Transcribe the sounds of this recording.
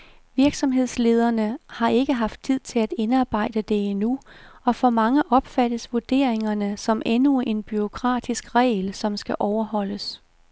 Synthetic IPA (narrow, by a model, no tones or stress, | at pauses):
ʋiɐɡ̥sɒ̽mɦe̝ð̞̰ˠsle̝ːð̞ˠɐnəhɑ̈e̝ɡ̥əɦɑ̈fd̥̚t͡sʰið̞̰ˠt͡sʰe̝læd̥e̝nɑ̈ːb̥ɑ̈ɪ̰d̥əd̥e̝inuɒ̽fɒmɑ̈ŋəʔɒ̽b̥fæd̥əsʋuɐd̥e̝̰ːɐ̰eŋɐnəsɒ̽mʔenue̝nb̥yo̝kʰʁɑ̰̈ːd̥isɡ̥ʁɛ̰ːlsɒ̽msɡ̥æʔɒʊɐhɒ̽l̰əs